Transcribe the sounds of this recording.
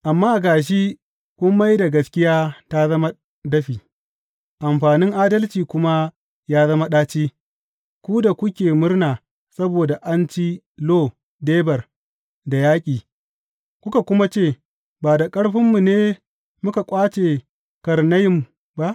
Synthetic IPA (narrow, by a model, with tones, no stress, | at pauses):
ʔa˨mːaː˦ʔɡaː˨ʃ̬i˦ | kʷʊ˦mːa˦jda˨ɡɐ˨skʲɪ˦jaː˦ta˦zɐ˦ma˦ | dɐ˦ɸiː˨ | ʔa˨mɸaː˨nɪ˦ŋʔaː˦dɐ˦lt͡ʃiː˨kʷʊ˦ma˦ | jaː˦zɐ˦ma˦ɗaː˦t͡ʃiː˦ | kʷuː˦da˨kʷʊ˦kʲeː˨mʊ˦ɽnaː˨ | sɐ˦boː˨da˨ʔa˦nt͡ʃi˦ | loː˦ | deː˦bɐ˨r | da˨jaː˦kʲʼiː˨ | kʷʊ˦ka˨kʷʊ˦ma˦t͡ʃeː˦˨ | baː˨da˨kʼɐ˦ɽɸɪ˦mːu˨neː˦ | mʊ˦ka˨kʷʼaː˦t͡ʃeː˨ | kɐ˨ɾnɐ˦jɪ˦m | ba˦ʔ